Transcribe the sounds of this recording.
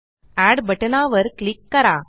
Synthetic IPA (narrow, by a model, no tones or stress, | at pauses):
æɖbɐʈənaːʋəɾklikːɐɾa